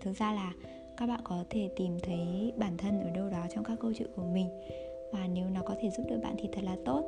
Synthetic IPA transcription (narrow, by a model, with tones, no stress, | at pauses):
t̪ʰɨ˨˩k̚zaː˧laː˨˩ | kaː˦˥k̚ɓa̰ː˧˨nkɔ˨˦t̪ʰe˧˩t̪i˨˩mt̪ʰə˨˦jɓaː˧˩nt̪ʰə˧nʔəː˧˩ɗə˧wɗɔ˨˦t͡ɕɔ˧wŋ͡mkaː˦˥kːə˧wt͡ɕḭ˧˨ku˧˩əmï˨˩ŋ̟ | vaː˨˩ne˨˦wnɔ˨˦kɔ˨˦t̪ʰe˧˩zu˦˥p̚ɗɨ˨˩ɓa̰ː˧˨nt̪ʰi˨˩t̪ʰə˨˩t̚laː˨˩t̪o˦˥t̚